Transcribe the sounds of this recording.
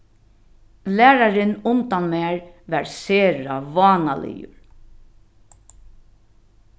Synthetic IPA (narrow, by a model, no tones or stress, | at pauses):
læːɾaɾɪnʊnt̪anmæːɹʋɛɹseːɾaʋɑːnalɪ̰jʊ̰ɾ